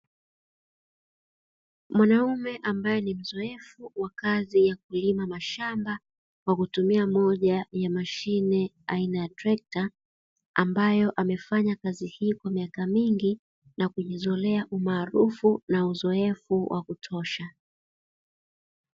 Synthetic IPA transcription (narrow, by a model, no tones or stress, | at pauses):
mwanaumɛʔambajɛnim̩zɔɛfuwakazijak̚ulimamaʃamba | kwakutumiamɔʄajamaʃinɛ | ainajatɾɛk̚ta | ambajɔʔamɛfaɲakazihiːkwamiakamiŋɡi | nakuʄizɔlɛaʔumaːɾufunauzɔɛfuwʔa̰kutʰɔʃa